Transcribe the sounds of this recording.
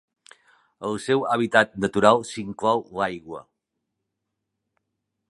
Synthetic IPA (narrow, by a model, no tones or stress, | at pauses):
əlˠsɛwəβ̞it̪at̪̚nət̪uɾalˠsiŋklɔwlajɣwə̰